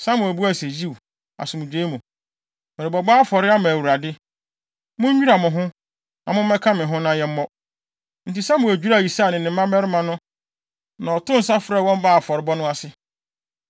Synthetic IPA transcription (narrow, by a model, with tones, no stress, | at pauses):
sã˦mʊ̃˨æ˨bu˦æ˦˨se˨d͡ʑi˦˨w | a̰˨sʊ̃˨mʊ̃˨d͡ʑᶣe˦mʊ̃˨ | mɛ˨ɾɪ˨bɔ˨ba˦fɔ˨ɾɪ˦a˦mã˨wu˨ɾa˨dɪ˦ | mʊ̃˦ɲ̩ᶣ˦u˦a˨mʊ̃˨ɦʊ̃˦ | nã̰˨mʊ̃˦m˦ɛ˦kʰã˦mɪ̃˨ɦʊ̃˦nã˦jɛ˦m̩˦mɔ˦ | n̩˨ti˨sã˦mʊ̃˨æ˨d͡ʑᶣu˦ɾa˦˨ji˨sa˦˨nɪ̃˨nɪ̃˨˦ã˦mɛ˦ɾɪ˦mã˨nʊ̃˦ | nã˨ɔ˨tʰʊ̃˦n̩˨sa˦fɾɛ˦˨wɔ̃˦m˦baː˦˨fɔ˨ɾɪ˦bɔ˦nʊ̃˦a˦sɪ˦